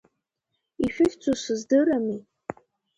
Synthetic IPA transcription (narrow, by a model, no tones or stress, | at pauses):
iʃᶣɪχʲt͡sʷʰusɨzdɨɾami